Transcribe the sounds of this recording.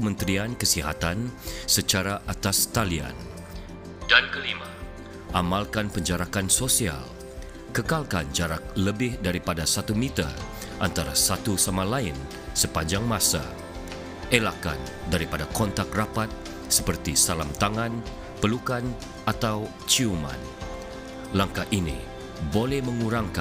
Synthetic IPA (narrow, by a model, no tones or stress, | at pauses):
əmənt̪ɾiankəsiɦa̰t̪ansət͡ʃaɾaʔat̪ast̪alia̰n | dankəlima | ʔamalkanpəɲd͡ʒaɾakansosia̰l | kəkalkand͡ʒaɾak̚ləbɪhdaɾipadasat̪umit̪a̰ | ʔant̪aɾa̰sat̪usamalaɪn | səpaɲd͡ʒaŋmasa̰ | elaka̰n | daɾipadakɔnt̪ak̚rapat̪̚ | sə̥pərt̪isalamt̪aŋan | pəlukan | ʔat̪aw | t͡ʃiuma̰n | laŋkaʔinḭ | bolɛhməŋuɾaŋka